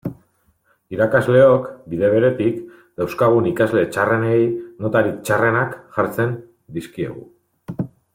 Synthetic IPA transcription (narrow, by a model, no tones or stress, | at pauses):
iɾakazle̞o̞kbið̞e̞β̞e̞ɾe̞t̪ik | d̪awskaɣ̞unikazle̞t͡ʃare̞nejno̞t̪aɾikt͡ʃare̞nakʝaɾt͡se̞n | d̪iskie̞̰ɣṵ